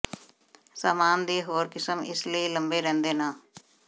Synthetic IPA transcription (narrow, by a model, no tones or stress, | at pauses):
saːmaːnd̪iːɦoːɾkɪsəmɪ̰sliiləmbeːɾɛ̃ːnd̪eːnaː